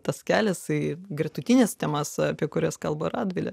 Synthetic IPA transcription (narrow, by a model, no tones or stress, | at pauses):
t̪ɐskʲæːlʲɛsɐɪɡrʲɛt̪ʊt̪ʲinʲɛst̪ʲɛmɐsɐpʲiɛkʊɾʲɛskɐlˠborɑːd̪ʲʋʲɪlʲɛ̰